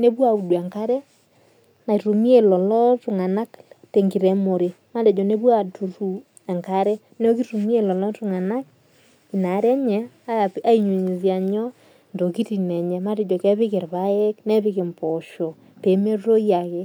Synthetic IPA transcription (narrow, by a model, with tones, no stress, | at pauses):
ne˦pwa˨u˨dwɛ˨ŋka˦ɾɛ˦ | na˨tu˨mi˦e˨lɔ˨lɔ˦tu˨ŋa˨na˦kte˨ŋɡi˨ɾɛ˨˦mo˨ɾe˨ma˦dɛ˨d͡ʒɔ˨ne˦bwa˦˨tu˨ɾu˨ | ɛ˨ŋka˦ɾɛ˦ | ne˦o˦ki˦tu˨mi˦e˨lɔ˨lɔ˦tu˨ŋa˨na˦k̚ | i˨na˨˦ɾɛ˦ɲɛ˨a˦˨a˦i˨ɲu˨ɲi˨sja˨ɲɔ˦ | ndo˨ki˦ti˨nɛ˨ɲɛ˨ma˦te˨d͡ʒɔ˨kɛ˦βɪ˦ke˨ɾβa˦ɛ˦knɛ˦pɪ˦ke˨mpɔ˨ʃɔ˨ | pe˨˦me˦ro˦ja˨ke˦